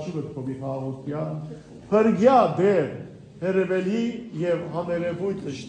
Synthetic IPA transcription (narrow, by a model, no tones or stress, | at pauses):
t͡ʃʰivət̪kʰɔbiχɑʁut̪ʰjɑn | pʰəɾɡjɑd̪ɛɾ | hɛɾɛvɛlijɛvhɑmɛɾɛvujt̪ʰəʃ